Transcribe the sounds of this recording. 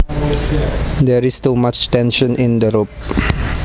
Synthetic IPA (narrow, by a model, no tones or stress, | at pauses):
dɛɹistumat͡ʃtɛ̃nʃə̃nĩndəɹop̚